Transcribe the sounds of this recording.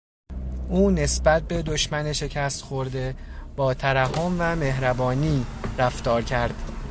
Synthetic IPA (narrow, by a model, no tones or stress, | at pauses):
ʔuːne̞sbæt̪̚be̞d̪o̞ʃmæneʃe̞cʰæst̪xo̞ɾd̪e̞b̥ɒːt̪ʰæɾæɦomvæme̞hɾæbɒːniːɾæft̪ɒːɾcʰæɾd̪̥